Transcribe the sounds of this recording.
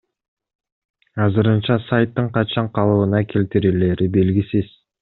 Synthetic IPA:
ɑzɯɾɯnt͡ʃɑsajt̪ːɯɴqɑt͡ʃɑɴqʰɑlˠɯβɯnɑkʰelt̪iɾile̞ɾibe̞lɡisiz̥

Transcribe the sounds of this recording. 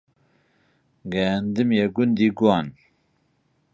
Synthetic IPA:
ɡɛnd̪ɨmjɛɡund̪iɡuɑn

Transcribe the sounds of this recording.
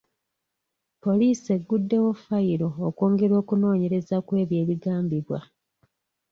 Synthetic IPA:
po̞liːse̞ɡːudːe̞wofaiɾo̞ːko̞ːŋɡe̞ɾo̞ːkuno̞ːɲe̞ɾe̞zakwe̞ːβje̞ːβiɡaːmbiβwa̰

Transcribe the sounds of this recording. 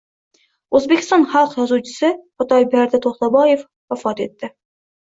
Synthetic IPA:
ɵzbekʰʲɪ̥st̪ɒnχɑlˠqjɒzuwt͡ʃʰɪ̥sɪχʊt̪ʰɒjbaɾd̪ɪt̪ʰoχt̪abɒjef | wafɒt̪e̞t̪ːɪ

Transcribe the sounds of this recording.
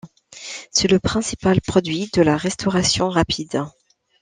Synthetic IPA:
sɛləpχɛ̃sipalpχɔd̪ɥid̪əlaʁɛst̪ɔʁasjɔ̃ʁapʰid̪

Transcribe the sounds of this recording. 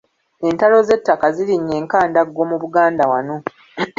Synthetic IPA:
e̞ntalo̞ze̞tːakaziɾiɲːe̞ːŋkaːndaɡːo̞ːmuβuɡaːndawano̞

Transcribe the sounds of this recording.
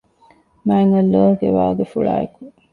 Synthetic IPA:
mæːiŋɐlːoːɡḛʋaːɡefuɭa̰ːḛku̥

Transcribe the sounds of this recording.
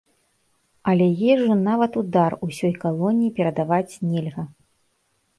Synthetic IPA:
ɐlʲɛjɛʐːɨnavɐt̪ud̪arusʲɔjkalˠɔnʲijipʲɛɾɐd̪avat͡sʲnʲɛlʲɣɐ

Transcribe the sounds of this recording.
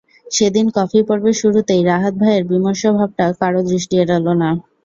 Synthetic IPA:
ʃed̪inkɔfipɔɾbeʃuɾut̪ejɾaɦat̪̚bʱaeɾbimoʃobʱab̚ʈakaɾod̪ɾiʃʈieɾɔlona

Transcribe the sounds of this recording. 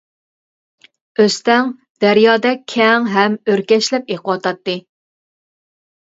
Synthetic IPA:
øst̪ɛŋ | d̪̥æɾjɑːd̪ɛkʲʰɛŋɦɛmøɾkʲɛʃlɛp̚eqʰəwɑt̪ɑt̪ːɨ

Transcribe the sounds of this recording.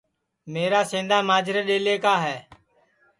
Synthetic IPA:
meːɾaːsẽːnd̪aːmaːd͡ʒʱɪɾeɗeːleːkaːɦɛː

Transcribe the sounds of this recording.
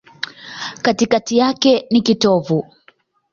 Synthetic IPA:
katikatijakɛnikitɔvu

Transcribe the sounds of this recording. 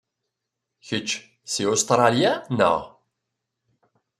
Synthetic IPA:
çət͡ʃː | siost̪ɾˤɑljanə̰ʁ

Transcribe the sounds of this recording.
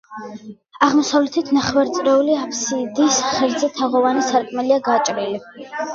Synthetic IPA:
aʁmɔsavlɛt̪ʰit̪ʰnaχwɛɾt̪sʼɾɛuliapʰsid̪isχɛɾd̪zɛt̪ʰaʁɔvanisaɾkʼmɛliaɡat͡ʃʼɾili

